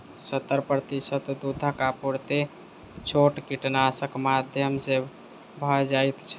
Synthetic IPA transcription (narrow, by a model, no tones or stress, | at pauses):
sət̪ːəɾpɾət̪isət̪d̪ud̪ʱəkapuɾt̪e | t͡ʃʰoʈkiʈnasəkmad̪ʱjəmse | bʱəjd͡ʒajt̪t͡ʃʰ